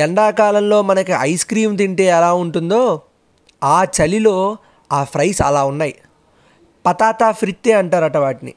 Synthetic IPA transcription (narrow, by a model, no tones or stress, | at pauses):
ɛɳɖaːkaːlɐmlo̞ːmɐnɐkiɐjskɾiːmt̪̬iɳʈe̞ːɛlaːuɳʈund̪o̞ː | aːt͡ʃɐlilo̞ː | aːpʰɾɐjsɐ̰laːunːaːji | pɐt̪aːt̪aːpʰɾit̪ːe̞ːɐɳʈaːɾɐʈɐʋaːʈinḭ